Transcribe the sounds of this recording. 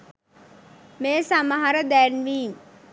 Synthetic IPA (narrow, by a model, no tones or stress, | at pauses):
meːsaməɦɐɾəd̪ænʋiːm